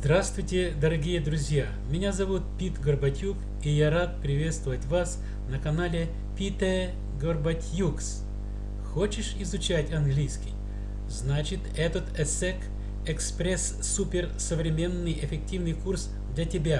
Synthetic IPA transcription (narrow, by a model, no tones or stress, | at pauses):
zd̪ɾast̪vʊjtʲɪd̪əɾɐɡʲijəd̪ɾʊzʲja | mʲɪnʲazɐvut̪̚pʲit̪ɡərbɐtʲjuk | ijaɾat̪̚pɾʲɪvʲe̞t̪st̪vəvətʲvas | nəkɐnalʲɪ | pʲit̪ɛ | ɡorbɐtʲjuks | xot͡ɕɪʂɪzʊt͡ɕætʲɐnɡlʲijskʲɪj | znat͡ɕɪt̪ɛt̪ət̪ɛsɛk | ɛkspɾʲesːupʲɪrsəvɾʲɪmʲe̞nːɨjɪfʲɪk̚tʲivnɨjkurs | d̪lʲɐtʲɪbʲa